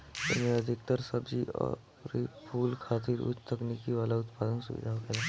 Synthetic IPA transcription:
ɪ̰mẽɐd̪ʱɪk̚t̪əɾsəbd͡ʒiɔ̰ːɾ | ɾipʰuːlkʰaːt̪iɾṵːt͡ʃt̪ʰɐknikiʋaːlaʊt̪paːd̪ənsʊ̰ʋɪ̰d̪ʱaɦokɐla

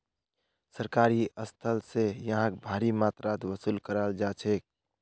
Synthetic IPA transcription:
səɾkaɾiəst̪ʰəlsejəɦãk̚bʱaɾimaːt̪ɾat̪wəsuːlkəɾald͡ʒaːt͡ʃʰek̚

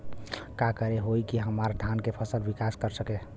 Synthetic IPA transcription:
kakəɾeɦojkiɦəmaɾd̪ʱankepʰəsəlbikaskəɾsəke

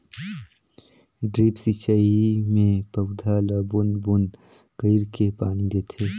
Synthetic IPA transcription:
ɖɾiːpsit͡ʃaimẽpəwd̪ʱalaːbunbun | kəɪɾkepaːnid̪eːt̪ʰeː

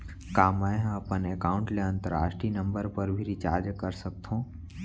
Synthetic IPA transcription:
kaːmaẽɦãəpənekaːʊ̃ɳʈleə̃nt̪əɾa̰ːʃʈɾiːnə̃mbəɾpəɾbʱiɾit͡ʃaːɾd͡ʒkəɾsək̚t̪ʰõː

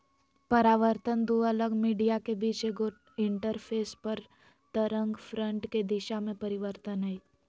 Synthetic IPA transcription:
pɐɾaːʋəɾt̪ənd̪uːɐləɡmiːɖijakebiːt͡ʃeɡo | ɪ̃ɳʈəɾpʰeːspəɾ | t̪əɾə̃ŋɡfɾə̃ɳʈked̪ɪʃamẽpɐɾɪʋəɾt̪ənɦɛi

